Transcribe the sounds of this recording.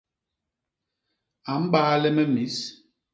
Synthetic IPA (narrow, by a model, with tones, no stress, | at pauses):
a˨m̩˦ɓaː˦lɛ˦mɛ˦mi˨˦s